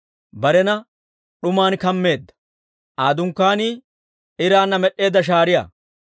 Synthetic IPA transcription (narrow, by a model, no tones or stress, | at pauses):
bɐɾɛnɐ | ɗʊmaːnkɐmːe̞ːd̪ːɐ̥ | ʔaːd̪ʊŋkːaːniː | ɪɾaːnːɐmɛɗːe̞ːd̪ːɐʃ̬aːɾɪjɐ̰ː